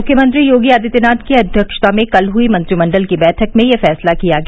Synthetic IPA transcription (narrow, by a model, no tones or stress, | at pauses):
ʊkʰːjəmə̃nt̪ɾijoːɡiaːd̪ʱit̪ɪnaːt̪kiɐd̪ʱjəkʃt̪amẽkɐlɦuimɐ̃nt̪ɾimɐ̃ɳɖəlkibɛːʈʰəkmẽjefɛːslakijaɡɐa